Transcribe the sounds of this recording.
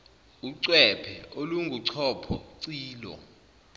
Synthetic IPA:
uǀwɛpʰɛʔoluŋɡʱuǀʰɔpʰɔ̰ǀiːlɔ̰

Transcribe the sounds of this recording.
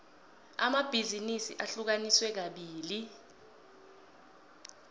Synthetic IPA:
amab̥ʱizinisḭʔaɬuk̬aniswɛk̬aɓiːli

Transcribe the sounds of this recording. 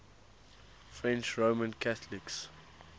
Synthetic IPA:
fɹɛ̃nt͡ʃɹoːmə̃nkʰaθlɪks

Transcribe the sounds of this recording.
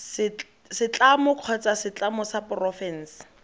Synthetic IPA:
sɪt͡ɬ | sɪt͡ɬamʊkʰɔt͡sasɪt͡ɬamʊsapʊrɔfɛn̩ːs

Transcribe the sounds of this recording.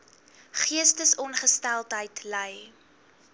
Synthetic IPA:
χiəstəsɔnχəstælˠtɦəjtlɛj

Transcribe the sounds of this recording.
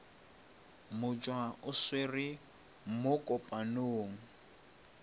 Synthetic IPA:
mʊt͡ʃʼwaʊsweri | mʊkʼɔpʼanoːŋ̩

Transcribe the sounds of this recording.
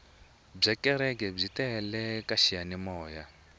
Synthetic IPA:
b͡ʐɛkɛɾɛkɛb͡ʐitɛlɛkaʃijanimɔːja

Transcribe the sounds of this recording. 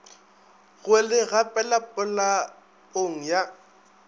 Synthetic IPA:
ɣʊelɪɣapʼɛlapʼʊla | oŋ̩ja

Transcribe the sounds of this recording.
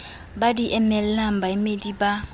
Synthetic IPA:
badiʔɛmɛl̩lam̩baimediba

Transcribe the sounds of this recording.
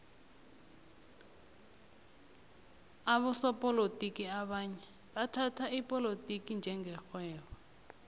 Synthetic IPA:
aβɔsɔpʼɔlotʼikiaɓaɲɛ | ɓatʰatʰaipʼɔlotʼikind͡ʒʱɛŋɡɛxwɛːβɔ

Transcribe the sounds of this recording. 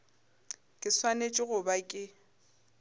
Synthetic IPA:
kʼɪswanet͡ʃʼɪɣʊbakʼɪ

